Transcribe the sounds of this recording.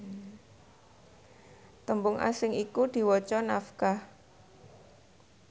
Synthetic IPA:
t̪əmbʊŋʔa̰sɪŋʔikud̪̥i̤wɔt͡ʃɔnafkah

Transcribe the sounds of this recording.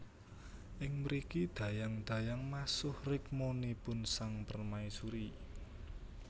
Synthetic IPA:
ʔɪŋmɾikid̪̥ä̤jaŋd̪̥ä̤jaŋmasʊhrɪk̚monipʊnsaŋpərmaisuɾi

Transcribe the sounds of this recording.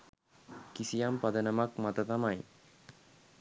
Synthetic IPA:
kisijampad̪ɐnamakmat̪at̪amaj

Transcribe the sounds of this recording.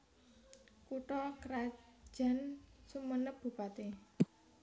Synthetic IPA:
kuʈɔkəɾḁʒ̥a̤nsumənəp̚b̥ṳpat̪e

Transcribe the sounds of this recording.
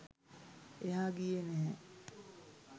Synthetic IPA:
eɦaːɡijenɛɦɛ

